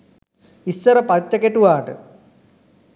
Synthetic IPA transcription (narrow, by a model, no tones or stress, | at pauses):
isːɐɾɐpɐt͡ɕːɐkeʈːuʋaːʈɨ